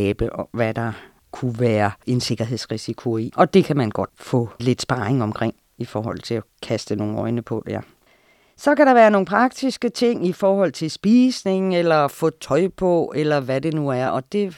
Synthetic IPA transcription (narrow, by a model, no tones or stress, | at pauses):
ɛːb̥əɒʋæd̥ɑ̈ | kʰuʋæːɐe̝nse̝ɡ̥ɐɦe̝ðˠsʁisikʰo̝iʔɒ̽d̥e̝kʰæmænɡ̥ɒ̽d̥fɔ̰le̝d̥sb̥ɑ̈ːeŋɒ̽mkʰʁeŋ̰ | ifɒːɦɒ̽l̰t͡sʰe̝lækʰæsd̥əno̝ːŋ̩ɒ̽ɪnəpʰɒ̽d̥ḛɐ | sɒ̽kæɾɑ̈ʋæːɐno̝ːn̩pʰʁɑ̈ɡ̥̚d̥isɡ̥ət͡sʰe̝ŋ̰ifɒːhɒ̽l̰t͡sʰe̝lsb̥iːsne̝ŋelɐfɔt͡sʰɒ̽ɪ̰pʰɒ̽elɐʋæde̝nuæɐʔɒ̽d̥e̝